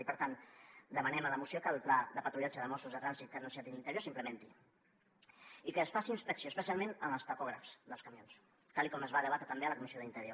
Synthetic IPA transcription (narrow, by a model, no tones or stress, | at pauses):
ipəɾt̪and̪əmənɛmələmusiokəlˠplaðəpət̪ɾuʎad͡ʒəðəmɔsuzðət̪ɾanzit̪̚kənunsiat̪inint̪əɾjoɾsimpləment̪i | ikəːsfasiːnspəksioəspəsialˠmẽnəməlˠst̪akɔɣ̞ɾə̰fz̥d̪əlskəmions | t̪alikɔməzβaðəβat̪ɾət̪əmbeələkumisioðint̪əɾjo